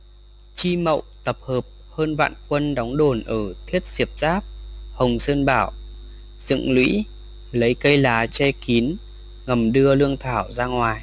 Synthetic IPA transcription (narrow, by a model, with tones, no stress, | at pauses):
t͡ɕi˧mə̰˧˨wt̪ə˨˩p̚həː˨˩p̚həː˧nva̰ː˧˨nkwə˧nɗɔ˨˦wŋ͡mɗo˨˩nʔəː˧˩t̪ʰi˦˥ət̚si˨˩əp̚zaː˦˥p̚hə˨˩wŋ͡msəː˧nɓaː˧˩w | z̥ɨ̰˧˨ŋlwḭ˧˥ | lə˨˦jkə˧jlaː˨˦t͡ɕɛ˧ki˨˦n | ŋə˨˩mɗɨ˧əlɨ˧əŋt̪ʰaː˧˩wzaː˧ŋwaː˨˩j